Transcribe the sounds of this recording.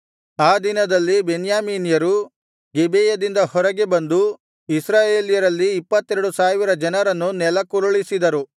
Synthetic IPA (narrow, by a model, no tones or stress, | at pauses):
aːd̪inɐd̪ɐlːibenjaːmiːnijɐɾu | ɡebɛːjɐd̪ind̪ɐhɔɾɐɡebɐnd̪u | isɾaːjeːlijɐɾɐlːiːpːɐt̪ːɛɾɐɽusaːʋiɾɐd͡ʒɐnɐɾɐnːunɛlɐkuɾuɭisid̪ɐɾu